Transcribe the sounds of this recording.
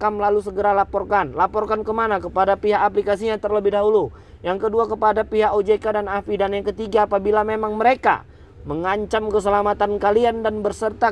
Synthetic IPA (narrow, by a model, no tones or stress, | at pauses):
kamlalusəɡəɾalapɔrkanlapɔrkankəmanakəpadapiɦakaplikasiɲat̪ərləbɪhdaɦulu | jaŋkəduakəpadapiɦakod͡ʒekadanafidanjaŋkət̪iɡaːpabilamemaŋməɾeka̰ | məŋaɲt͡ʃamkəs̬əlamat̪ankaliandanbərsərt̪a